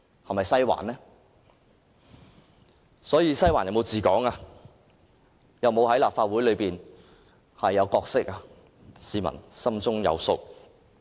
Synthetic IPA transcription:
hɐ˨˩mɐ˨jsɐ˥jwa̰ː˨˩nnɛː˥ | sɔː˨˥jiː˨˧sɐ˥jwaː˨˩njɐ˨wm˨˧wt͡siː˨kɔ̰ː˨˥ŋaː˧ | jɐ˨wmo˨˧whɐ˨˥jlaː˨pfaː˧t̚wuː˨˥jlɵ˨˧ɥpiː˨˩n | hɐ˨jːɐ˨˧wkɔː˧k̚sɪ˥k̚a˧ | siː˨˧mɐ̰˨˩nsɐ˥mt͡sʊ˥ŋjɐ̰˨˧wso˧k̚

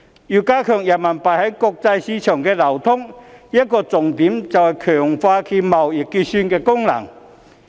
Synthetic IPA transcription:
juː˨˩kaː˥kʰœ˨˩ŋja˨˩nma˨˩npa˨˩jhɐ˨˦˥jkʊ˧k̚t͡sa˧jsiː˨˥t͡ʃʰœː˨˩ŋkɛː˧lɐ˨˩wt̪ʰʊ˥ŋjɐ˥t̚kɔː˧t͡sʊ˨ŋt̪iː˨˥mt͡sɐ˨whɐ˨jkʰœː˨˩ŋfaː˧kʰi˧mɐ˨˩wi˨˩k̚ːi˧sy˧nkɛː˧kʊ˥ŋla̰˨˩ŋ

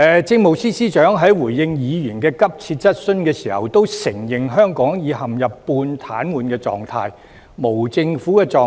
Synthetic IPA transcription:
ɛ˨t͡sɪ˧ŋmo˨˩wsiː˥siː˥t͡ʃœː˨˥ŋɦɐ˨˥jwuː˨˩jːɪ˧ŋjiː˨˧jyː˨˩nkɛː˧kɐ˥p̚t͡sʰi˧t̚t͡sɐ˥t̚sɵ˥nkɛː˧siː˨˩hɐ̰˨wt̪o˥wsɪ˨˩ŋjɪ˨ŋɦœː˥ŋkɔː˨˥ŋjiː˨˧ɦɐ˨mjɐ˨pːuː˧nt̪ʰaː˨˥nwuː˨nkɛː˧t͡sɔ̰ː˨ŋt̪ʰaː˧j | mo˨˩wt͡sɪ˧ŋfu˨˥kɛː˧t͡sɔː˨˧

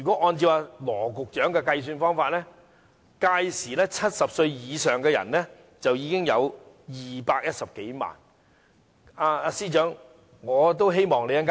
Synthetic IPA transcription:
jyː˨˩kɔː˨˥ʔɔː˧nt͡siː˧paː˧lɔː˨˩kʊ˨k̚t͡ʃœː˨˥ŋkɛː˧kɐ˧js̬yː˧nfɔː˥ŋfaː˧t̚lɛː˥ | kaː˧jsiː˨˩lɛː˥t͡sʰɐ˥t̚sɐ˨p̚sɵ˧ɥjiː˨˧sœː˨˩ŋkɛː˧jɐ̰˨˩nlɛ˥ | t͡sɐ˨wjiː˨˧kɪ˥ŋjɐ̰˨˧w | jiː˨paː˧k̚jɐ˥t̚sɐ˨p̚ke˨˥jma̰ː˨˩n | aː˧aː˧siː˥t͡ʃœː˨˥ŋ | ŋɔː˨˧t̪o˥wɦe˥jmɔː˨˩ŋle˨˧jɐ˥kaː

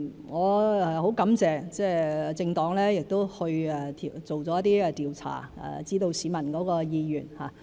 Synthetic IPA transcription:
ŋɔː˨˧ɛ˨ho˨˥wkɐ˨˥mt͡sɛː˨t͡sɛː˥˩ɛ˨t͡sɪ˧ŋt̪ɔː˨˥ŋlɛː˥jɪ˨k̚t̪o˥whɵ˧ɥɛ˨˩t̪ʰi˨t͡so˨˩wt͡sɔː˨˥jɐ˥t̪ːiː˥ɛ˧t̪iː˨wt͡sʰa̰ː˨˩ɛ̰˨t͡siː˥t̪o˧wsiː˨˥mɐ˨˩nkɔː˨˥kɔː˧jiː˧jy̰ː˨˩nhaː˨

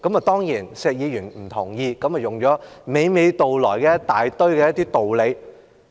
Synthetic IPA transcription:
kɐ˨˥mɐ˨t̪ɔː˥ŋjiː˨˩nsɛː˨k̚jiː˨˧jyː˨˩nm̩˨˩t̪ʰʊ˨˩ŋjiː˧kɐ˨˥mɐ˨˩jʊ˨˩ŋt͡ʃɔː˨˥me˨˧jme˨˧jt̪o˨wlɔː˨˩jkɛː˧˥t̪aː˨jt̪ɵ˥ɥkɛ˧jɐ˥t̪iː˥t̪o˨˩wle˨˧j

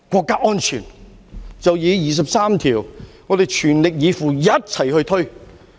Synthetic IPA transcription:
kʷɔː˧kːaː˥ʔɔː˥nt͡ʃʰy̰ː˨˩n | t͡sɐ˨wjiː˨˥jiː˨˩s̬ɐ˨p̚saː˥mt̪ʰiː˨˩wŋɔː˨˧d̪e˨jt͡ʃʰyː˨˩nlɪ˨k̚jiː˨˧fuː˨˩jɐ˥t̚t͡sʰɐ˨˩jhɵ˧ɥt̪ʰɵ˥ɥ

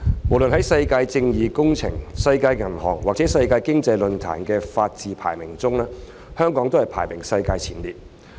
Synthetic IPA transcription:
mo˨˩wlɵ˨nɦɐ˨˥jsɐ˧jkaː˧jt͡sɪ˧ŋjiː˨kʊ˥ŋt͡sʰɪ̰˨˩ŋsɐ˧jkaː˧jːɐ˨˩nhɔ̰ː˨˩ŋwaː˨k̚t͡sɛː˨˥sɐ˧jkaː˧jkɪ˥ŋt͡sɐ˧jlɵ˨nt̪ʰa̰ː˨˩nkɛː˧faː˧t̚t͡siː˨pʰa̰ː˨˩jmɪ˨˩ŋt͡sʊ˥ŋlɛː˥ | hœː˥ŋkɔː˨˥ŋt̪o˥hɐ˨˩jpʰa̰ː˨˩jmɪ˨˩ŋsɐ˧jkaː˧jt͡sʰiː˨˥nliː˨t̚

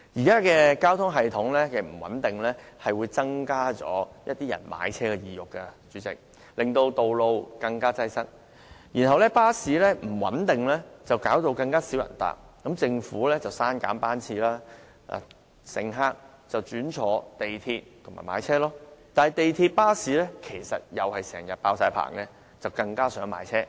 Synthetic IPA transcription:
ji˨˩kaː˥kɛː˧kaː˥wt̪ʰʊ˥ŋɦɐ˨jt̪ʰʊ˨˥ŋlɛː˥kɛ˨˩m̩˨˩wɐ̰˨˥nt̪ɪ˨ŋlɛ˥hɐ˨jwuː˨˧jt͡sɐ˥ŋkaː˥t͡sɔ̰ː˨˥jɐ˥t̚t̪iː˥jɐ̰˨˩nma̰ː˨˥jt͡sʰɛː˥kɛː˧jiː˨jʊ˨kːɐ˧t͡ʃy˨˥t͡sɪ̰˨k̚ | lɪ˨ŋt̪o˧wt̪o˨wlo˧wkɐ˧ŋkaː˥t͡sɐ˧jsɐ˥k̚ | jiː˨˩nɦɐ˨wlɛ˥paː˥siː˨˥lɛː˥m̩˨˩wɐ̰˨˥nt̪ɪ˨ŋlɛː˥t͡sɐ˨wkaː˨˥wt̪o˧wkɐ˧ŋkaː˥si˨˥wjɐ̰˨˩nt̪a̰ː˨k̚kːɐ˨˥mt͡sɪ˧ŋfuː˨˥lɛː˥t͡sɐ˨wsaː˥nka̰ː˨˥npaː˥nt͡sʰiː˧laː˥ | ʔa̰˨ | sɪ̰˨˩ŋɦaː˥k̚ | t͡sɐ˨wt͡ʃyː˨˥nt͡ʃʰɔː˨˥t̪e˨jt̪ʰiː˧t̚t̪ʰo˨˩ŋmaː˨˩maː˨˥jt͡sʰɛː˥lɔː˥t̪aː˨nhjt̪e˨jt̪ʰiː˧t̚paː˥siː˨˥lɛː˥kʰe˨˩jsɐ˨t̚jɐ˨whɐ˨jsɛ̰ː˨˩ŋjɐ˨t̚paː˧wsaː˨˥jpʰa̰ː˨˩ŋlɛ˥ | t͡sɐ˨wkɐ˧ŋkaː˥sœː˨˥ŋma̰ː˨˧˥jt͡sʰɛː˥

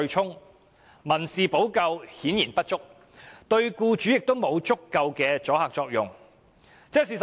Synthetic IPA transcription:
ɥt͡ʃʰʊ˥ŋ | mɐ˨˩nsiː˨po˨˥wkɐ˧whiː˨˥njiː˨˩npɐ˥t̚t͡ʃʊ˥k̚ | t̪ɵ˧ɥkuː˧t͡ʃyː˨˥jɪ˨k̚t̪o˥wmo˨˧wt͡sʊ˥kːɐ˧wkɛː˧t͡sɔː˨˥haː˨k̚t͡sɔː˧k̚jʊ̰˨˩ŋ | t͡sɛː˥s̬iː˨˩s

